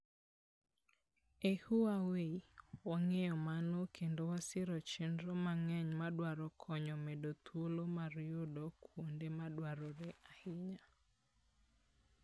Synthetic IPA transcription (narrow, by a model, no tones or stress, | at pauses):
ehuaweiwaŋejɔmanɔkʰendowasɪɾɔt͡ʃɪndɾɔmaŋɛɲmadwaɾɔkʰɔɲɔmɛdot̪wolomaɾjodɔkwondemadwaɾɔɾɛahɪɲa